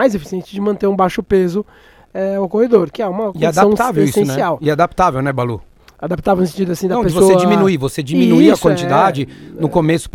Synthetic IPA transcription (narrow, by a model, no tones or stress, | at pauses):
majzefi̥siẽnt͡ʃɪd͡ʒɪmɐ̃nt̪eɾũbajʃʊpezʊ | ɛokohed̪oɾkɪɛũmɐkɪadt̪aɐ̃w̃t̪aveweisẽnsɛiawɪad̪ap̚t̪avewnɛbalṵ | ad̪ap̚t̪avewnsẽt͡ʃid̪ʊasĩd̪ɐ̃pesd͡ʒɪvososed͡ʒimĩnuivosed͡ʒiminuiɐkwɐ̃nt͡ʃid̪ad͡ʒɪnʊkomesʊ̥